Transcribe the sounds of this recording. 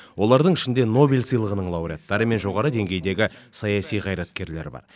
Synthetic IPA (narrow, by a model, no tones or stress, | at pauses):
wʔo̞lˠɑɾd̪əɴɪʃɪnd̪e̞no̞bʲilʲsɨjlˠəʁənəɴlˠɑwɾʲijɑt̪ːɑɾəme̞nʒo̞ʁɑɾəd̪e̞ŋɡʲe̞jd̪e̞ɡʲɪsɑjɑsijqʰɑjɾɑt̪̚kʲe̞ɾleɾbɑ̰ɾ